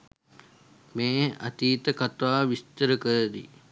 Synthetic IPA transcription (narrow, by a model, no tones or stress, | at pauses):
meːa̰t̪iːt̪əkat̪ʋaːʋist̪əɾəkəɾəd̪ḭ